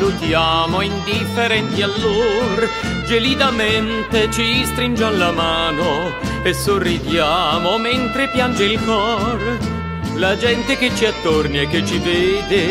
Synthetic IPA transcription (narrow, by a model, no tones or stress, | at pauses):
lut̪jaːmoind̪ifːeɾɛnt̪ialːor | d͡ʒelid̪ament̪et͡ʃist̪ɾind͡ʒalːamaːno | esorːid̪jamoment̪ɾepjand͡ʒeilkɔr | lad͡ʒɛnt̪eket͡ʃːiat̪ːorniekːet͡ʃːivɛːd̪e